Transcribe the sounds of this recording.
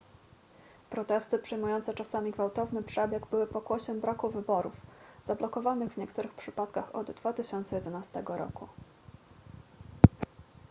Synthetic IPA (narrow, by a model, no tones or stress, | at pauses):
pɾɔt̪ɛst̪ɘpʂɘjmujɔnt̪sɛt͡ʂasamʲiɡvawt̪ɔvnɘpʂɛbʲjɛɡbɘwɘpɔkwɔɕɛmbɾakuvɘbɔɾṵfz̥ablɔkɔvanɘɣvɲɛkt̪uɾɘxpʂɘpat̪kaxɔd̪d̪vat̪ɘɕɔnt̪sɛjɛd̪ɛnast̪ɛɡɔɾɔ̰ku